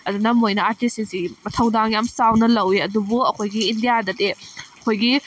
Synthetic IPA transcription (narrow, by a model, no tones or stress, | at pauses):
ɐdunɐmojnɐaɾtisinsimɐtʰɐwdaŋjamsawnɐlɐwiɐdubuɐkʰojɡiːndijadɐdeɐkʰojɡi